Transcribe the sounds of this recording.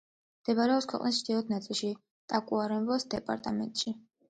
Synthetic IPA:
md̪̥ɛbaɾɛɔpskʰwɛ̰qʼnist͡ʃʰd̪̥iɔt̪̚ʰnat̪sʼilˠʃi | t̪ʼakʼuaɾɛmbɔsd̪ɛpʼa̰ɾt̪ʼamɛ̰nt̪ʼʃi

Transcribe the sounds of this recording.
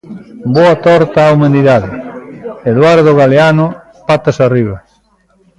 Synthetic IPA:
boat̪ɔɾt̪aːwmãnd̪iðaðɪ | eðwaɾðoɣaleano | pat̪asariβ̞ɐ

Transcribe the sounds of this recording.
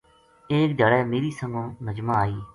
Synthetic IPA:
eːk̚d̪əɽɛːmeːɾiːsəŋɡõːnəd͡ʒmaːaːiː

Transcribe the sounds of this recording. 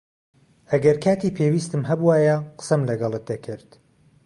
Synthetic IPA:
ɐɡɐɾkʰaːt̪iːpʰeːwiːst̪ɨmɦɐbuwaːjɛqə̥sɐmlɐɡɑlˠɨt̪̚d̪ɐkʰɪɾd̪̥

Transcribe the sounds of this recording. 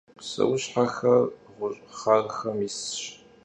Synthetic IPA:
sɐ̰wʊɕħaxɐrʁʷʊɕʼχarxɐmisɕ

